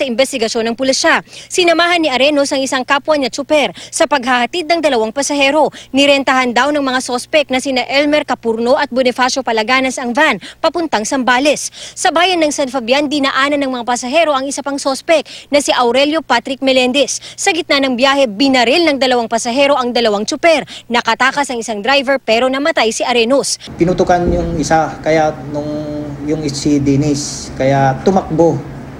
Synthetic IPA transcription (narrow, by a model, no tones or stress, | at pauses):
sɐɪmbɛst̪ɪɡɐʃjo̞nɐŋpʊliʃasɪnɐmaːhɐnːiʔɐɾɛnosɐŋɪsaŋkapwɐnɐt̪̚sʊpɛɾsɐpɐɡ̚hɐhɐt̪id̪̚nɐŋd̪ɐlɐwaŋpɐsɐhɛɾo̞nɪɾɛnt̪ɐɦand̪awnɐŋmɐŋasospɛk̚nɐsɪnaʔɛlmɛɾkɐpuɾno̞ʔɐt̪̚bʊnɛfaso̞pɐlɐɡaːnɐsɐŋvanpɐpʊnt̪ɐŋsɐmbaːlɛsːɐbaːjɐnːɐŋsɐnfɐbjand̪inɐʔaːnɐnɐŋmɐŋapɐsɐɦɛɾo̞ʔɐŋɪsɐpaŋsospɛk̚nɐsiʔɐwɾɛljo̞pat̪ɾɪk̚mɛlɛnd̪ɛsːɐɡɪt̪nɐnɐŋbjaːhɛbɪnɐɾilnɐŋd̪ɐlɐwaŋpɐsɐɦɛːɾo̞ʔɐŋd̪ɐlɐwaŋt͡ʃʊpɛɾnɐkɐt̪aːkɐsɐŋɪsaŋd̪ɾajvɛɹpɛːɾo̞nɐmɐt̪ajsɪʔɐɾɛnospɪnut̪ʊkanjʊŋɪsakɐjanʊŋjʊŋɪsid̪inɪs | kɐjat̪ʊmɐk̚bo